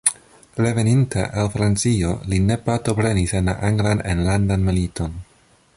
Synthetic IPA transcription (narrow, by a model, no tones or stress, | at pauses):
ɾe̞ve̞nintʰa̰ʔalfɾant͡sio̞line̞paɾto̞pɾe̞nisenla̰ʔaŋɡlanḛnlandanmilitʰo̞n